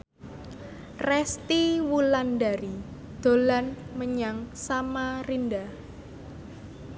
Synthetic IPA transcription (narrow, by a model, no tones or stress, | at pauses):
rɛst̪iwulandaɾi | d̪̥o̤lanməɲaŋsamarinda